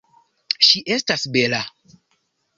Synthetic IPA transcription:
ʃiʔestasbela

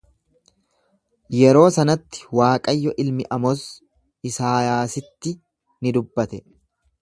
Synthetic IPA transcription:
jɛɾo̞ːsɐnɐt̪ːɪ̥waːkʼɐjːɔʔɪlmɪʔɐmɔs | ɪsaːjaːsɪt̪ːɪ | nɪd̪ʊbːɐt̪ɛ

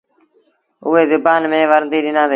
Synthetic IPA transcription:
ʊɦeːzʊbaːnmẽːʋəɾd̪iːɗɪnãːd̪

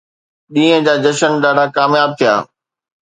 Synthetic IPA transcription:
ɗĩːɦə̃d͡ʑaːd͡ʑɐʃənɗaːɖʱakaːmjaːb̚t̪ʰija̰ː

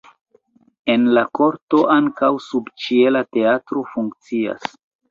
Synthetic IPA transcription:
e̞nlako̞ɾto̞ʔaŋkawsubt͡ʃielate̞atɾo̞fuŋk̚t͡sia̰s

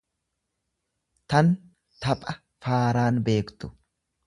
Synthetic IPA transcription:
t̪ɐn | t̪ɐpʼɐ | faːɾaːnbe̞ːkt̪ʊ̥

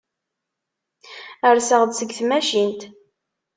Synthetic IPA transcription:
əɾsəʁd̪səɡθmæʃint̪

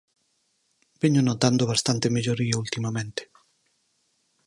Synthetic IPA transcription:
b̥eɲonot̪and̪oβast̪ant̪emeʎoɾiault̪imamẽnt̪ɪ̥

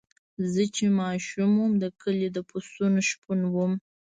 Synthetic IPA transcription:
zət͡ʃemɑʃumwumd̪əkʰəled̪əpʰost̪unoʃpunwum

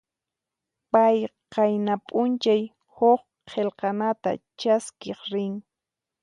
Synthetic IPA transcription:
pajqɑjnapʼʊnt͡ʃaj | hoχ | qʰelqɑnat̪a̰t͡ʃaskeχɾɪŋ

